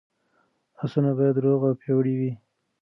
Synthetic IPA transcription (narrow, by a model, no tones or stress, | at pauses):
asunabɑjad̪ɾoɣawpʰjewɽiwi